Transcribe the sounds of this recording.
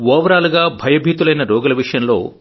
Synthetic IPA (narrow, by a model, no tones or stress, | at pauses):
ʋɔːʋɐɾaːluɡaːbʱɐjɐbʱiːt̪ulɐjnɐɾɔːɡɐlɐʋiʂɐjɐnlo̞ː